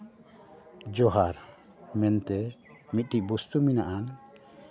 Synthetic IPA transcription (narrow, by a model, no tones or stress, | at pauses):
d͡ʒɔɦaɾ | mɛnt̪ɛmit̪̚ˀʈiʔbust̪uminaʔan